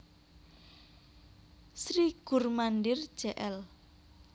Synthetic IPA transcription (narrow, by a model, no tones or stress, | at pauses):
sɾiɡ̥ṳrmandɪr̥ʒ̥ɛʔɛl